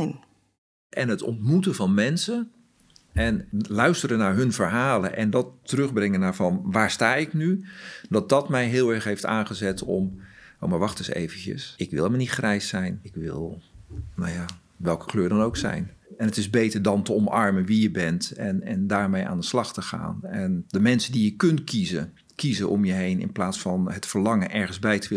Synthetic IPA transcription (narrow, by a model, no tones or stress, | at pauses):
n | ʔɛnɦətɔ̰ntmutəvɑnmɛnsə | ɛnlœɥstəɾənaːɹɦɵnvəɹɦaːlənʔɛndɑtərɵχbrɪŋənaːɹvɑnʋaːɹstaːɪknydɑt̚dɑtmɛjɦɪːlˠɛɹχɦejfta̰ːnχəzɛtʰɔ̰mo̰maɹʋɑχtɪsḛjvəncə̰sɪkʋɪ̰lˠɛmənitχrɛjsɛjnɪkʋɪ̰lˠnawjaː | ʋɛlˠkə̥kløːɹdɑnowksɛ̰jn | ɛnətɪzbejtəɹdɑntəɔmɑɹmənʋijəbɛntɛnɛndaːɹmejʔa̰ːndəslɑχtəχa̰ːnɛndəmɛnsədijəkɵntkʰizə | kizəʔɔ̰mjəɦejnɪ̰nplaːtsfɑnɦətfəɹlɑŋənʔɛɹχənzbɛjtəʋɪ